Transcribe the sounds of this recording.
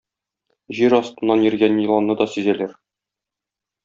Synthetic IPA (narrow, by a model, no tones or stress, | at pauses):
ʑiɾɒst̪ɤ̆nːɑnjɘ̆ɾɡʲænjɤ̆lˠɑnːɤd̪ɒsyzælæɾ